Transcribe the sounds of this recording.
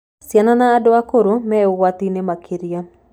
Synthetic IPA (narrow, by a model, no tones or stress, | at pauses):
sjananaːdɔakoɾomɛʊwat̪inemakʰiɾja